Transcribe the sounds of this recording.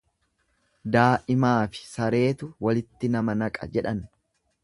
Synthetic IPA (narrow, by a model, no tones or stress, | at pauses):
d̪aːʔɪmaːfɪ̥sɐɾe̞ːt̪ʊwɐlɪt̪ːɪnɐmɐnɐkʼɐ̰d͡ʒɛᶑɐn